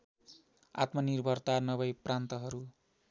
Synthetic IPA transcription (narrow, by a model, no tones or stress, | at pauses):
a̰t̪mʌnirbʱʌrt̪anʌβʌjprant̪ʌɦʌɾu